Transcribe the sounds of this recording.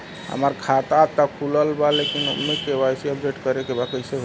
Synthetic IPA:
ɦə̰məɾkʰat̪at̪ɔkʰuləlbalekinɦə̰mːekebajsiəb̚ɖeʈkəɾekebakəɪseɦ

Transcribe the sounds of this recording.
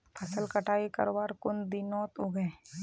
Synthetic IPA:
pʰɐsəlkɐʈʰaːikɐ̰ɾbaːɾkʊnd̪inɔːt̪ʊɡə

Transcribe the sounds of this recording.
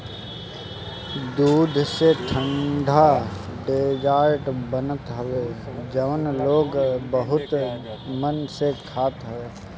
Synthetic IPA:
d̪uːd̪ʱset̪ʰə̃ɳɖʱaɖeːd͡ʒaːɪʈbənət̪ɦəweːd͡ʒəʋənloːɡbəɦʊt̪mənsekʰaːt̪ɦəʋeː

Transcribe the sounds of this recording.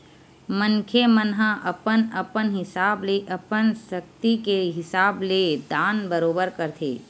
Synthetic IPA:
mənkʰemənɦãʔɐpənəpənɦɪsaːbleʔɐpənsək̚t̪ikeɦɪsaːbled̪aːnbəɾoːbəɾkəɾt̪ʰḛː

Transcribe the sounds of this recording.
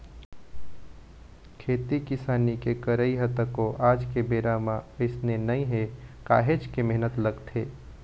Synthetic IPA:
kʰeːt̪ikɪsaːnikekəɾəiɦət̪əkoʔaːd͡ʒkebeːɾamãəɪsnenəĩɦekaːɦet͡ʃkemeɦnət̪ləɡt̪ʰeː

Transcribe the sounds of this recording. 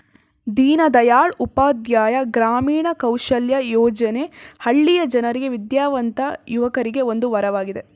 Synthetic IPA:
d̪iːnɐd̪ɐjaːɭupaːd̪jaːjɐɡɾaːmiːɳɐkɐwʃɐljɐjɔːd͡ʒɐne̞hɐɭːijɐd͡ʒɐnɐɾiɡe̞ʋid̪jaːʋɐnt̪ɐjuʋɐkɐɾiɡe̞o̞nd̪uʋɐɾɐʋaːɡid̪e̞

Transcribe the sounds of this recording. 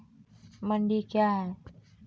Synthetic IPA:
məndika

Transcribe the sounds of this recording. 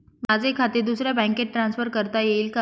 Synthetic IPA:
mad͡zʱekʰːat̪ed̪usɾjabɛ̃ŋkeʈ̚ʈɾãnsfəɾkəɾt̪ajeiːlka

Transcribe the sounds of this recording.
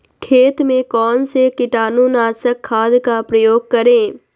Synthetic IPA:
kʰeːt̪mẽkɔːnsekɪʈaːnõnaːsəkʰːaːd̪kapɾəjoːɡ̚kɐɾẽː

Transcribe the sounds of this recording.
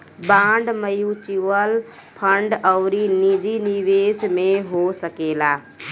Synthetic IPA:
bãːɳɖməjut͡ʃiʋəl | pʰəɳɖəʊɾinid͡ʒiniʋeːsmẽɦosəkeːlaː

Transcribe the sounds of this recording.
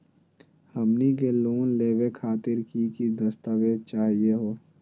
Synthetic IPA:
həmnikeloːnleːʋekʰaːt̪ɪɾkikid̪ɐst̪aʋeːd̪̚t͡ʃaːɦieɦoː

